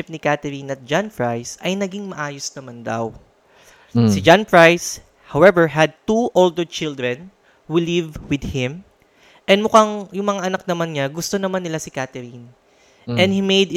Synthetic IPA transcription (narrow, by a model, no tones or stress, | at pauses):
ɪp̚nɪkat̪ɛɾinɐt̪̚d͡ʒãnpɹajsʔɐjnɐɡiŋmɐʔaːjosnɐmand̪a̰w | sɪd͡ʒanpɹajs | hawɛvɛɹɦɐd̪̚t̪uʔold̪ɛɹt͡ʃɪld̪ɹɛn | wɪlivwɪd̪̚hɪ̃m | ʔɛnmʊkaŋjʊŋmɐŋaʔɐnɐk̚nɐmanɲɐɡʊst̪onɐmanːɪlasɪkat̪ɛɾin | ɛ̃nhimejd̪